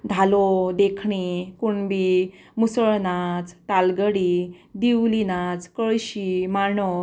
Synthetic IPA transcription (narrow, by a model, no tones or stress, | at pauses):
d̪ʱalod̪ekʰɳikuɳbi | musəɭnat͡st̪alɡəɽid̪iwlinat͡skəɭɕimaɳɔ